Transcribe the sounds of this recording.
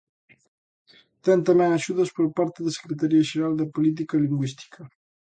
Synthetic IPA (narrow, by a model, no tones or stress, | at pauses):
t̪ɛnt̪amɛŋaʃuðəspoɾpaɾt̪eðese̥kɾet̪aɾiaʒeɾald̪əpolit̪̬ikaliŋɡwist̪i̥kʰɐ